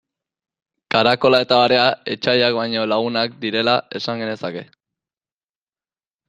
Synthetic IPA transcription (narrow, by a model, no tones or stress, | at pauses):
kaɾako̞lae̞t̪aβaɾe̞ae̞t͡ʃajak̚bajɲo̞laɣunak̚d̪iɾe̞lae̞saŋɡe̞ne̞sake̞